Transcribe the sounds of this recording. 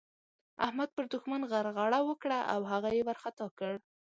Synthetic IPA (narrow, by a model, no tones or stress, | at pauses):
a̰hmad̪̚pəɾd̪ʊxmanɣaɾɣɑɽawəkɽaʔa̰wɦaɣajewaɾxat̪ɑkəɽ